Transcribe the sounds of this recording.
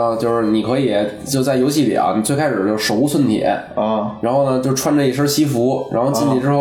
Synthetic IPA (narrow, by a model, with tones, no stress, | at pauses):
t͡ɕjo˥˧ʊʂɻ̩˥˩ni˨˩kʰɤ˧˥i˨˩jɛ˧˩t͡ɕjo˥˧ʊt͡sa˥˩ɪjo˧˥ʊɕ̬ʰi˥˩lḭ˨˩ʔɐ̰˧˦ni˨˩t͡swe˥˧kʰa˥ʂɻ̩˨˩˦jo˥˩ʊʂo˧˥ʊu˥sʰwə˥˩nt̪ʰḭ˨˩˦ɻa˧˥nxo˥˩ʊnə˩t͡ɕjo˥˧ʊʈ͡ʂʰwa˥˧nʈ͡ʂə˥˧i˥˩ʂ̬ə˞˥ɕi˥fu˧˥ɻa̰˧˥nxo˥˧ʊt͡ɕi˥˩ni˨˩ʈ͡ʂɻ̩˥xo˥˩